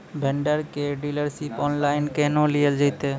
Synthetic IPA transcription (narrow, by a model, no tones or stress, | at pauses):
bʱeɳɖaɾkeɖilaɾʃipɔnlajnkɛnolield͡ʒajt̪e